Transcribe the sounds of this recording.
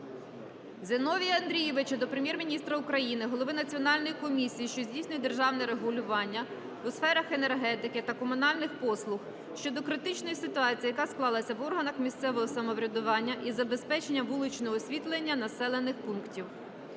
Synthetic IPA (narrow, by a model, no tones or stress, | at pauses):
zʲenɔʋʲiɐnd̪ɾʲijɛʋɪt͡ʃɐd̪ɔpɾemjɛrmʲinʲist̪ɾɐukɾɐjinɪɦɔlˠɔʋɪnɐt͡sʲiɔnɑlʲnɔjikɔmʲisʲijiʃt͡ʃɔzʲdʲijsʲnʲʊjʲd̪e̞rʒɑwnɛɾeɦʊlʲʊʋɑnʲːɐ | wsfɛɾɐxenerɦɛt̪ɪkɪt̪ɐkɔmʊnɑlʲnɪxpɔslˠʊx | ʃt͡ʃɔd̪ɔkɾɪt̪ɪt͡ʃnɔjisɪt̪ʊɑt͡sʲiijɐkɑsklˠɑlˠɐsʲɐʋɔrɦɐnɐxmʲist̪sɛʋɔɦɔsɐmɔʋɾʲɐd̪ʊʋɑnʲːɐʔizɐbe̞spɛt͡ʃenʲːɐʋulˠɪt͡ʃnɔɦɔːsʲʋʲit̪lˠenʲːɐnɐsɛlˠe̞nːɪxpunktʲiw